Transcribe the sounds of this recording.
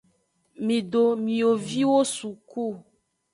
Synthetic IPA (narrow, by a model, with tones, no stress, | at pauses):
mĩ˨ɖo˨mĩ˨o˨vi˦wo˦su˨ku˦˨